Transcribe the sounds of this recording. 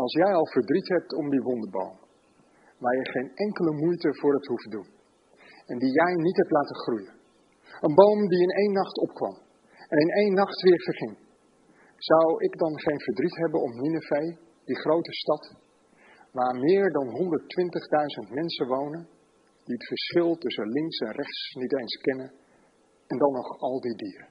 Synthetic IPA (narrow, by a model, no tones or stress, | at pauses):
ɑlˠsjɛjɑlˠvəɹdritɦɛp̚tɔmdiʋɔndəbo̰wm | ʋaːɹjɛχejnɛŋkələmujtəvʊːɹɦɛp̚tɦufdun | ɛndijɛjnitɦɛp̚tlaːtəχrujən | ənbowmdiɪnejnːɑχtɔpkʋɑ̰m | ɛnɪnejnːɑχtʋɪːɹv̥əɹχɪŋ | z̥ɑwɪɡdɑnχejnvəɹdritɦɛbənɔpninəvej | d̥iχrowtəstɑt | ʋaːɹmɪːɹdɑnɦɔndəɹtʋɪntəχdœɥzəntmɛnsəʋownən | d̥iətfəɹsχɪlˠtɵsəlɪŋksɛnrɛχtsnitejnskɛnən | ɛndɑnːɔχɑlˠdidiːɾə